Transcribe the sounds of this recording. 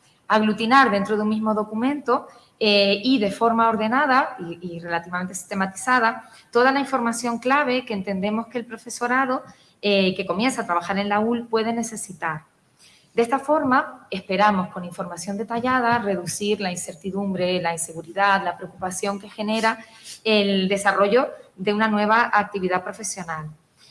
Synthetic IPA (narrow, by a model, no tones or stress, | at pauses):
aɣlut̪inaɾðe̞nt̪ɾo̞ðunmizmo̞ðo̞kumẽnt̪o̞ | eiðe̞fo̞ɾmao̞ɾðe̞nað̞aiire̞lat̪iβame̞nt̪esi̥st̪e̞mat̪i̥sað̞a | t̪o̞ð̞alaĩɱfo̞ɾmasjo̞ŋklaβ̞e̞kent̪e̞nd̪e̞mo̞skeːlpɾo̞fe̞so̞ɾað̞o̞ | eke̞ko̞mje̞nsat̪ɾaβaxaɾe̞nlaulpwe̞ð̞e̞ne̞se̞sit̪aɾ | d̪e̞st̪afo̞ɾmae̞spe̞ɾamo̞sko̞niɱfo̞ɾmasjo̞nd̪e̞t̪aʝað̞are̞ðusiɾlainse̞ɾt̪iðumbɾe̞lainse̞ɣuɾiðaðlapɾe̞okupasjo̞ŋke̞xe̞ne̞ɾa | eld̪e̞saro̞ʝo̞ðe̞unanwe̞β̞aʔak̚t̪iβiðapɾo̞fe̞sjo̞nal